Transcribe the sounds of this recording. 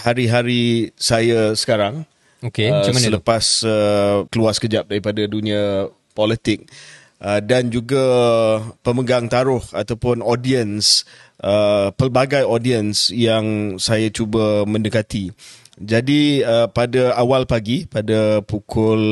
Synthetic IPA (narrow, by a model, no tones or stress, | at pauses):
haɾiɦaɾisajasə̥kaɾaŋ | okeəsələpasəkəluaskəd͡ʒap̚daɾipadadunĩã | polit̪ɪk̚ | ədand͡ʒuɡa | pəməɡaŋt̪aɾʊhat̪awpʊnodiənsəpərbaɡajodiənsjaŋsajat͡ʃubəmə̃ndəkat̪i | d͡ʒadiəpadaawalpaɡipadapukʰʊl